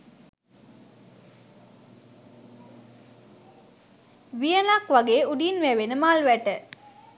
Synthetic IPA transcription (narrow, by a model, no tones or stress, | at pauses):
ʋijənakʋaɡeːuɖinʋæʋenəmalʋæʈə